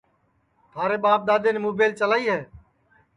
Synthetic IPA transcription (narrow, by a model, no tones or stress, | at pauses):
t̪ʰaːɾeːɓaːb̚d̪aːd̪eːneːmoːbeːlt͡ʃəlaːiːɦeː